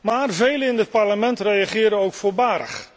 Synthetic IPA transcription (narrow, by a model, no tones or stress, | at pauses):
maːrvejləɪndət̚parləmɛntrejaχɪːɾəowkfʊːbaːɾə̰χ